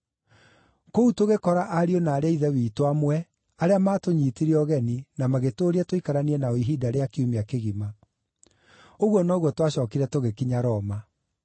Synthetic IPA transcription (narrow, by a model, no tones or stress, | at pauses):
koutoɣekɔɾaʔaɾionaːɾeaiðɛwiːtwamwɛ | aɾeamaːtoɲiːtiɾiɔɣɛninamaɣetoːɾiɛtoikaɾaniɛnaoiɦidaɾeakeumeakeɣima | oɣwɔnɔɣwɔtwaɕɔːkiɾɛtoɣekiɲaɾɔma